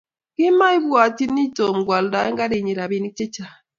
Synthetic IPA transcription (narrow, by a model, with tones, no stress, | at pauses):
ki˦ma˦i˦βwa˨ti˦ni˦to˨m̩˨ɡwa˨lda˨˦e˦ŋɡa˦ɾe˨ɲi˨ɾa˨βi˨ni˦k̚t͡ʃe˦t͡ʃa˨